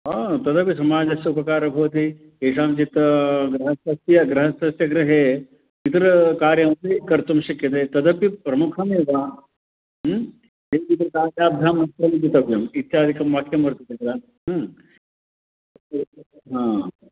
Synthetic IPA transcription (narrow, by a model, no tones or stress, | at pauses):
ɦaːt̪ɐd̪ɐpjisɐmaːd͡ʒɐsjɐupɐkaːɾɐbʱɐʋt̪i | eːʂaːmt͡ʃit̪ɡɾɐɦɐsɐst̪jɐɡɾɐɦɐsɐsjɐɡɾɐɦeː | pit̪ɾɐkaːɾjɐmt̪ekɐɾt̪umʃɐkjɐt̪et̪ɐd̪ɐpjipɾɐmukʰɐmeːʋaː | ɦ | d͡ʒeːpit̪ɾɐkaːd͡ʒaːb̚d̪ʱaːmɐst̪ɾɐmit͡ʃit̪ɐbjɐmit̪ːʃʰaːɐd̪ʱikɐmːɐkʰjɐmɐɾt̪ut̪ikɾaːn | ɦ | ɦãː